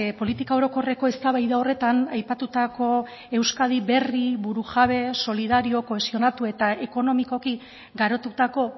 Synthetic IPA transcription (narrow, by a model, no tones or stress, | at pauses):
po̞lit̪ikao̞ɾo̞ko̞re̞ko̞e̞st̪aβajðao̞re̞t̪anajpat̪ut̪ako̞ | e̞wskað̞iβe̞riβuɾuʝaβe̞so̞liðaɾio̞ko̞e̞sio̞nat̪ue̞t̪ae̞ko̞no̞miko̞ki | ɡaɾo̞t̪ut̪ako̞